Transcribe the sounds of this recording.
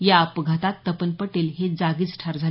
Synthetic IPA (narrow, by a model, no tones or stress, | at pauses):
jaəpɡʱat̪at̪ːəpənpəʈelɦed͡zaɡiːt͡sʈʰaɾd͡zʱa